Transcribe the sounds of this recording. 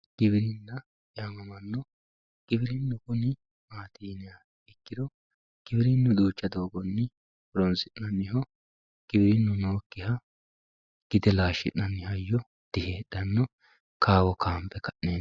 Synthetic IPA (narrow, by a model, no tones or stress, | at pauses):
ɡ̥ɪbɪɾɪnːɐ | jaːmɐmɐnːɔ | ɡ̥ɪbɪɾɪnːʊkʊnɪ | maːt̪iːnɪja | ɛkːɪd̪ɔ | ɡ̥ɪbɪɾɪnːʊd̪uːt͡ʃːɐd̪o̞ːɡɔnːɪ | bɾɔnsɪnːɐnːɪhɔ | ɡ̥ɪbɪɾɪnːʊno̞ːkːɪhɐ | ɡ̥ɪd̪ɛlaːʃːɪ̰nːɐnːɪhɐjːɔ | d̪̥ɪheːd̪ɐnːɔ | kʰaːwɔkʰaːmpːɛkɐʔneː